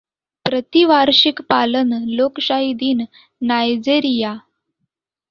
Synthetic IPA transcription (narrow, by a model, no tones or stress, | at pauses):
pɾət̪iʋaɾɕikpalənlokɕaɦid̪iːnː | ajd͡zeɾija